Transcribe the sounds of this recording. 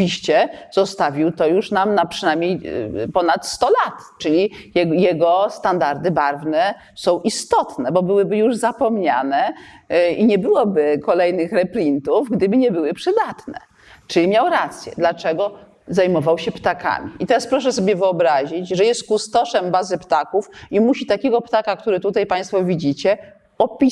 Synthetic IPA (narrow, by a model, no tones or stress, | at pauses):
iɕt͡ɕɛzɔst̪avʲiwt̪ɔjuʂnamnapʂɘnajmʲɲejpɔnat̪st̪ɔlat̪t͡ʂɘlʲiɛjɛɡɔst̪and̪aɾd̪ɘbaɾvnɛ | sɔ̃w̃ʔist̪ɔt̪nɛbɔbɘwɘbɘjuʐzapɔmɲa̰nɛ | iɲɛbɘwɔbɘkɔlɛjnɘxɾɛplʲint̪uvɡd̪ɘbɘɲɛbɘwɘpʂɘd̪at̪nɛ̰ | t͡ʂɘimʲjawɾat̪sʲjɛ̰d̪lat͡ʂɛɡɔ | zajmɔvawɕɛpt̪aka̰mʲiit̪ɛɾaspɾɔʂɛs̬ɔbʲjɛvɘɔbɾaʑit͡ɕʐɛjɛst̪̚kust̪ɔʂɛmbazɘpt̪akufimuɕit̪akʲɛɡɔpt̪akak̚t̪uɾɘt̪ut̪ajpãj̃st̪fɔvʲid͡ʑit͡ɕɛ | ɔpʲi